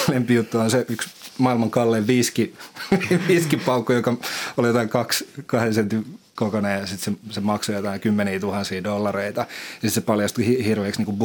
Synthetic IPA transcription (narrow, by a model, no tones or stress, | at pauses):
lempijut̪ːuonseyksmɑilmɑŋkɑlːeːʋʋiski | ʋiːskipɑukːujokɑoljot̪ɑiŋkɑkskɑhensent̪i | kokoneːɑsit̪sesemɑksojot̪ɑiŋkymːeniːt̪uhɑnsiːdolːɑreit̪ɑjɑsit̪sepɑljɑst̪uhihirʋeːksniːŋkub